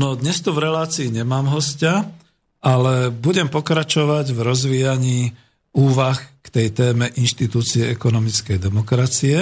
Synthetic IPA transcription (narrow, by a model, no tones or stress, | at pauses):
nɔd̪ɲɛst̪uvɾɛlaːt͡siːɲɛmaːmɦɔsca | ʔalɛbuɟɛmpɔkɾat͡ʃɔʋaɟvɾɔzʋiːjaɲiː | uːʋaxkt̪ɛjt̪ɛːmɛʔinʃt̪it̪uːt͡siɛɛkɔnɔmit͡skɛjd̪ɛmɔkɾat͡siɛ